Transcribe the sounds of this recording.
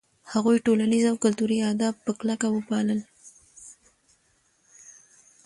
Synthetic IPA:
haɣujʈolanizawkʊlt̪uɾiɑd̪ɑbpːəklakawəpɑləl

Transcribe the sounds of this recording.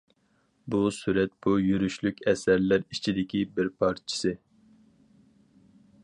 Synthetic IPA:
busyɾɛt̪̚bujyɾyʃlykʲɛsæɾlæɾit͡ʃʰid̪ɪkʲibɪɾpʰɑɾt͡ʃʰɪ̥sɨ

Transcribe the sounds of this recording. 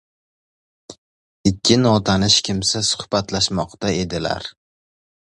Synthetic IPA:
ɪkʲʰːɪnɒt̪ʰanɪʃkʲʰɪmsasʊ̥hb̥at̪laʃmɒqt̪ae̞d̪ɪla̰ɾ

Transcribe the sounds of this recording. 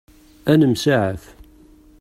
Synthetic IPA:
ænəmsaʕəθ

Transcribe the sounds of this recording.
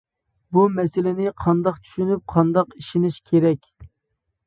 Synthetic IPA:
bumɛsɪlɪnɪqʰɑnd̪ɑqt͡ʃʰy̥ʃynyp̚qʰɑnd̪ɑqiʃinɪʃkʲʰeɾɛkʲ

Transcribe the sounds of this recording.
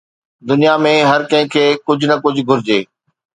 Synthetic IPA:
d̪ʊnijamẽɦɐɾkɐ̃ɦɪ̃kʰeːkʊd͡ʑʱʊnɐkʊd͡ʑʱɡʱʊɾɪd͡ʑeː

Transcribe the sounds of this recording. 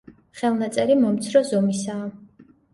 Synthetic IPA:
χɛlˠnat̪sʼɛɾimɔmt̪sʰɾɔzɔmisaː

